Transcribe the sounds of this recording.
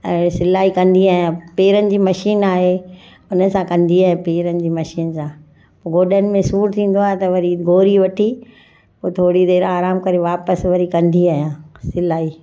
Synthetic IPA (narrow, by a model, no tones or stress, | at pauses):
ɛ̃ːsɪlaːikɐ̃nd̪iaːɦjãːpeːɾənɪ̆d͡ʑiːmɐʃiːnaːɦe | ʊnə̆sãkɐ̃nd̪iaːɦẽpeːɾənɪ̆d͡ʑiːmɐʃiːnsãː | pːɡoːɗənɪ̆mẽsuːɾt̪ʰĩːn̆d̪oaːɦet̪ɐʋɐɾiɡʱoːɾiʋɐʈʰi | poːt̪ʰoːɽid̪eːɾaːɾaːmkɐɾeʋaːpəsʋɐɾikɐ̃nd̪iaːɦijãːsɪlaːi